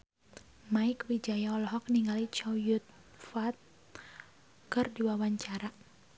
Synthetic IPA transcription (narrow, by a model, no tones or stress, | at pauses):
maɪkwid͡ʒajaɔlɔɦɔk̚niŋalit͡ʃɔjʊt̪̚ | fat̪̚ | kɨrdiwawaɲt͡ʃaɾa